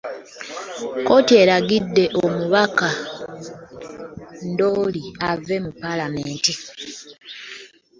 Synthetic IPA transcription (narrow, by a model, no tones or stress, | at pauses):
ko̞tie̞ɾaɡidːe̞ʔomuβaka | ndo̞ːliave̞mupːalameːnti